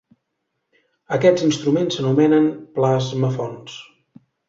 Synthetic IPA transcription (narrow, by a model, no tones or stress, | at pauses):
əkɛzinst̪ɾumensənumɛnənplazməfɔns